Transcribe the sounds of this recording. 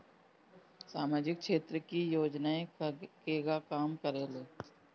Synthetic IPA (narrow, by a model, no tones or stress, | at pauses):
saːmaːd͡ʒɪkkʃeːt̪ɾəkijoːd͡ʒnaːẽkkeɡakaːmkəɾeːloː